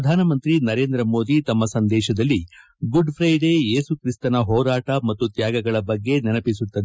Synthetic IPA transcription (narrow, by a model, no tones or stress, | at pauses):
ɐd̪ʱaːnɐmɐnt̪ɾinɐɾe̞ːnd̪ɾɐmo̞ːd̪it̪ɐmːɐsɐnd̪ɛːʃɐd̪ɐlːi | ɡuɖpʰɾɐjɖe̞ːe̞ːsukɾist̪ɐnɐɦɔːɾaːʈɐmɐt̪ːut̪jaːɡɐɡɐɭɐbɐɡːe̞nɛnɐpisut̪ːɐd̪e